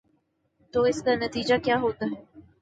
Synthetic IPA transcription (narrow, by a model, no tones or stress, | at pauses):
t̪oːɪskanɐt̪iːd͡ʒakjaːɦoːt̪aːɦɛː